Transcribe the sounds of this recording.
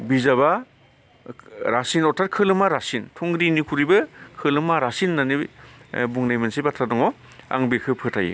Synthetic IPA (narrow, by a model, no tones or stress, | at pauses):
bizaba | ɾasinɔtʰat̚kʰɯlɯmaɾasintʰuŋɡɾinikʰuɾibɯkʰɯlɯmaɾasinːani | buŋnajmansibatʰɾadɔŋɔ | a̰ŋbekʰɯpʰɯtʰajḭ